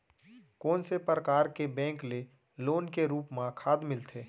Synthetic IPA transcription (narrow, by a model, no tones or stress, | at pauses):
kɔːnsepɾəkaːɾkebɛ̃ːŋkle | loːnkeɾuːpmãkʰaːd̪mɪlt̪ʰeː